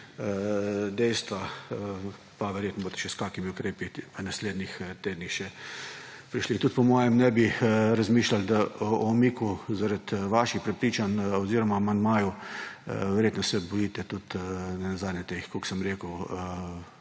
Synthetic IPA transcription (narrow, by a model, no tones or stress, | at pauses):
əd̪ɛjst̪ʋaə | paʋɛɾjeːt̪nɔboːt̪ɛ̥ʃɛskaːkimiʊkɾeːpinasleːd̪nixt̪eːd̪nixʃɛ | pɾiʃlit̪ut̪pɔmɔːjɛmnɛbiɾazmiːʃlald̪aɔɔmiːkuzaɾat̪ʋaːʃixpɾɛpɾiːt͡ʃanɔziːɾɔmaːmand̪maːju | ʋɛɾjeːt̪nɔsɛbɔjiːt̪ɛt̪ut̪nɛnazad̪nʲɛt̪exkoksəmɾeːkəwə